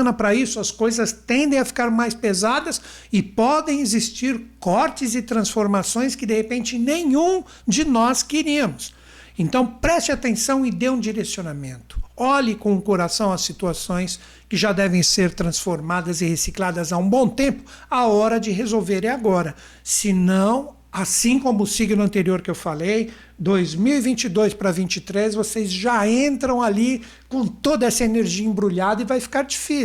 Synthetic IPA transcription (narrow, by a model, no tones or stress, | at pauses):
nɐpɾɐisʊɐskojzɐst̪ẽnd̪ẽj̃afi̥kaɾmajspezad̪ɐs | ɪpɔd̪ẽj̃ezist͡ʃiɾkɔɾt͡ʃɪzɪt̪ɾɐ̃sfoɾmasõj̃skɪd̪ehepẽnt͡ʃɪnẽɲũ | d͡ʒɪnɔskeɾiɐmʊs | ẽnt̪ɐ̃w̃pɾɛst͡ʃɪat̪ẽsɐ̃w̃ɪd̪eũd͡ʒiɾesionamẽnt̪ʊ̥ɔʎɪkõʊkoɾasɐ̃w̃ɐsit̪uasõj̃s | kɪʒad̪ɛvẽj̃seɾt̪ɾɐ̃sfoɾmad̪ɐzɪhesiklad̪ɐzaũbõw̃t̪ẽmpʊ̥ | aɔɾɐd͡ʒɪɦezowveɾẽaɡɔɾɐ | sɪnɐ̃w̃ | asĩkõmʊːsiɡnʊɐ̃nt̪eɾioɾkɪewfalej | d̪ojzmiwivĩnt͡ʃɪd̪ojspɾɐvĩnt͡ʃɪt̪ɾezvosezʒaẽnt̪ɾɐ̃w̃ali | kõt̪od̪ɐɛsɐeneɾʒiɐẽbɾuʎad̪ɐɪvajfi̥kaɾd͡ʒifis